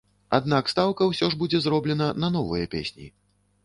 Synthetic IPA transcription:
a̰d̪nakst̪awkɐwsʲɔʐbud͡zʲɛzrɔblʲɛnɐnɐn̪ɔvɨjɐpʲḛsʲnʲḭ

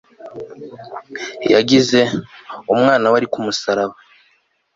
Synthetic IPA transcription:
ja̰ɟize̞umŋaːnawaɾikumusaɾaβa

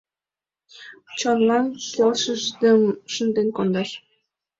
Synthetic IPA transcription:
t͡ɕɑnlɑnʃɑlʃəʒd̪əmʃənd̪enkond̪ɑʃ

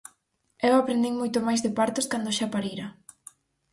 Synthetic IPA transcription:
ewapɾend̪iŋmojt̪omajzðepaɾt̪oskand̪oʃapaɾiɾɐ

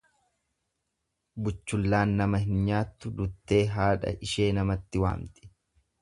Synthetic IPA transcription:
bʊt͡ʃːʊlːaːnːɐmɐhɪnɲaːt̪ːʊd̪ʊt̪ːe̞ːɦaːᶑɐ̰ʔɪʃe̞ːnɐmɐt̪ːɪwa̰ːmt̪ɪ̥

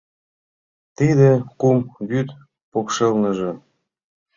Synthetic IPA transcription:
t̪id̪ĕkumβyt̪ | pokʃelnə̆ʒɤ̆

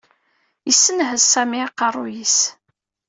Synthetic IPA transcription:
jəsːənɦəzsæmiɑqːɑrˤːʊjis

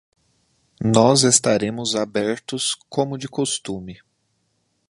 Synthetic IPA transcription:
nɔzest̪aɾẽmʊzabɛɾt̪ʊskʰõmʊd͡ʒɪkost̪ũmɪ

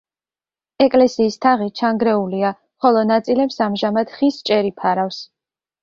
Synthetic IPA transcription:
ɛkʼlɛsiːst̪ʰaʁit͡ʃʰaŋɡɾɛulia | χɔlˠɔnat̪sʼilɛpsamʒamad̪̥χist͡ʃʼɛɾipʰaɾafs

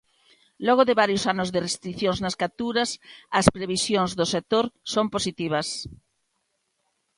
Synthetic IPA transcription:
lɔɣoðɪβaɾjosanʊzðɪrest̪ɾiθjoŋznɐskat̪uɾɐsɐspɾeβisjoŋzðosek̚t̪oɾsomposit̪iβ̞ɐs

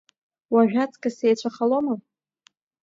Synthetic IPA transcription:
waʒᶣat͡sʼkʼasejt͡ɕʷʰaχaloma

